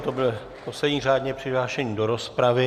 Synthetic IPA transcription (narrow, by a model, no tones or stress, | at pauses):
t̪obɪlɪ | po̞slɛdɲiːraːdɲɛpr̝̥ɪɦlaːʃɛɲiːdo̞ɾo̞spɾavɪ